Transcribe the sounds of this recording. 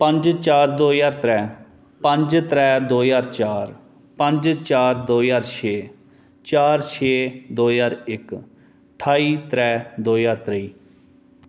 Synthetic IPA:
pə̃ɲd͡ʒt͡ʃaːɾd̪oːjaːɾt̪ɾɛː | pə̃ɲd͡ʒt̪ɾɛːd̪oːjaːɾt͡ʃaːɾ | pə̃ɲd͡ʒt͡ʃaːɾd̪oːjaːɾt͡ʃʰeː | t͡ʃaːɾt͡ʃʰeːd̪oːjaːɾɪk | ʈʰaːiːt̪ɾɛːd̪oːjaːɾt̪ɾəiː

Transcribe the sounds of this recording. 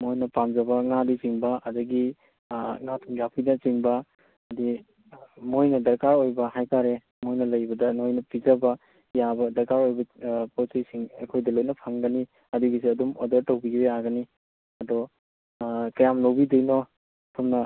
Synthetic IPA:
mojnɐpamzɐbɐŋadit͡ʃiŋbɐɐdɐɡi | ŋatʰumjapʰinɐt͡ʃiŋbɐ | ɐdi | mojnɐdɐɾkaɾojbɐhajkaɾe | mojnɐlɐjbɐdɐnojnɐpizɐbɐ | jabɐdɐɾkaɾojbɐpotijsiŋɐ̰kʰojdɐlojnɐpʰaŋɡɐni | ɐduɡisiɐdumo̰dɐɾtɐwbiɾeaɡɐni | ɐdɔ | kɐjamlowbidɐjnɔ | pʰumnɐ

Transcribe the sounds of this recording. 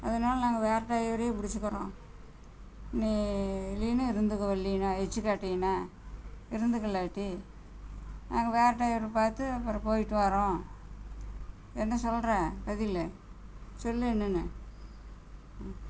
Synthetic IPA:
ɐ̰ðɐnaːlɐnaːŋɡɐʋeːɾʈːaːjʋɐɾeːpʊɽɪt͡ʃːɯkːɐɾõː | niːliːnɐɪɾɯnd̪ɯkːɐʋɐɭːinaːɛt͡ʃːɯkːaːʈːɪjnaː | ɪɾɯnd̪ɯkːɐlːaːʈːi | naːŋɡɐʋeːɾʈːaːjʋɐɾpaːɾt̪ɯɐpːɐɾɐpoːjɪʈːɯʋaːɾõː | ɛnːɐ̃sɔlɾẽkɐðɪlːɛ | sɔlːiɛnːɯnːɯ

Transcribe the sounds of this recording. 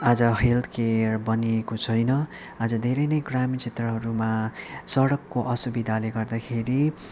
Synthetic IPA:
ad͡zʌɦelt̪ʰkerbʌniekot͡sʰʌjnʌ | ad͡zʌd̪ʱeɾʌjnʌjɡramit͡sʰet̪rʌɦʌɾumasʌɽʌkːoʔʌsubid̪ʱaleɡʌrd̪akʰeɾi

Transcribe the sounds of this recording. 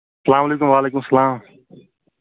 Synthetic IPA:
sɐlaːmɐleːkʊmʋaːleːkʊmsɐlaːm

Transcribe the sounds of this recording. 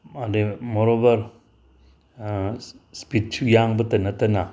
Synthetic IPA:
ademɔɾobɐɾ | spit̚t͡ʃʰujaŋbɐtɐnɐtɐna

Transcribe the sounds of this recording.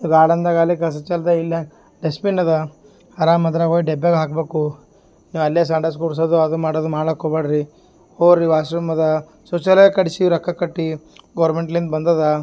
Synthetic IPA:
iɡaːɽɐnd̪ɐɡaːlikɐs̬ɐt͡ʃɐlɐd̪ɐilːɐ | ɖespinːɐd̪ɐ | hɐɾaːmɐd̪ɾaɡoːjiɖebːeɡɦaːkbeːku | niːʋɐlːjes̬aːɳɖɐs̬koɽs̬od̪uɐd̪umaːɽod̪umaːɽɐkobɐɽɾi | oːɾɾiʋaːsɾɐmɐd̪ɐ | sot͡ʃɐlekɐɽisiɾɐkːɐkɐʈːi | ɡɐʋɾmeɳʈɐlind̪ɐbɐnd̪ɐd̪ɐ

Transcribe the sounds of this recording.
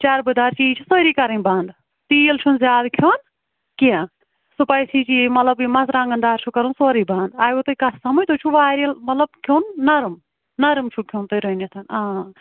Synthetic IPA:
t͡ʃaɾbɨd̪aːɾt͡ʃiːt͡ʃʰisoːɾiːkɐɾɐnbãːnd̪ | t̪iːəlt͡ʃʰunzjaːd̪kʰjoːn | kijãː | supɐisʰiːt͡ʃiːmɐt̪lɐbimɐsɾãːŋɡɐnd̪aːɾt͡ʃʰukɐɾunsoːɾiːbãːnd̪aːjot̪oikɐssɐmɐd͡ʒt̪ot͡ʃʰuʋaːɾɐlmɐt̪lɐb̚kʰoːnːɐɾm | nɐɾmt͡ʃʰukʰjoːnt̪oɾonɐt̪ʰɐnaː

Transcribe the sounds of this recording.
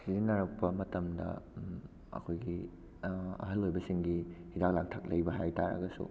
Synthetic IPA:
sizinɐɾɐk̚pɐmɐtɐmdɐ̰ | ɐ̰kʰojɡi | ɐ̰ɦɐlojbɐsiŋɡihidak̚lak̚tʰɐk̚lɐjbɐɦajtaɾɐ̰ɡɐsṵ

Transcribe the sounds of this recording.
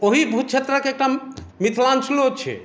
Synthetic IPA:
oɦibʱut̪̚t͡ʃʰet̪ɾəkeek̚ʈa | mit̪ʰlant͡ʃʰloɦot̪t͡ʃʰɛ̰

